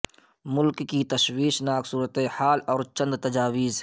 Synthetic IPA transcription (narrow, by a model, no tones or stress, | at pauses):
mʊlkːit̪ɐʃwiːʃnaːksuːɾət̪ehaːlɔːɾt͡ʃə̃nd̪t̪ɐd͡ʒaːwiːz